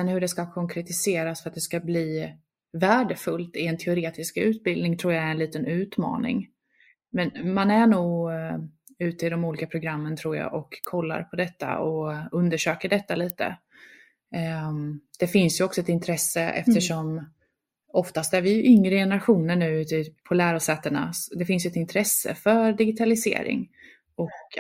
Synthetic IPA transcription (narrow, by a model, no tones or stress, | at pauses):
ɛnhɵɖɛskakʰɔŋkʰɾɛt̪ɪseːɾasfœɾat̪̚d̪ɛskabliː | væːɖəfɵlt̪ɪɛnt̪ʰɛʊɾeːt̪ɪskʉ̟ːt̪̚bɪld̪nɪŋt̪ʰɾuːjaæɾɛnliːt̪ənʉ̟ːt̪mɑ̰ːnɪ̰ŋ | mɛnmanæɳuːɡ | ʉ̟ːt̪əɪd̪ɔmuːliːkapʰɾʊɡɾamːənt̪ʰɾuːɾja̰ʔɔkʰːɔlːa̰ɾpʰɔd̪ɛt̪ːa̰ɔɵnd̪əʂøːkəɖɛt̪ːaliːt̪ə̰ | d̪̥ɛfɪnsjɵɔksɔɛt̪ɪnt̪ʰɾɛsːəɛ̰ft̪əʂɔm | ɔft̪ast̪æɾvɪjɵʔʏŋɾəjɛnəɾaɧuːnəɳʉ̟ːʉ̟ːt̪ɪpʰɔlæːɾʊsɛːt̪ːəɳa̰d̪ɛfɪnsjɵɛt̪ɪnt̪ʰɾɛsːə̰fœɾɖɪɡɪt̪ʰalɪsḛːɾɪ̰ŋ | ɔk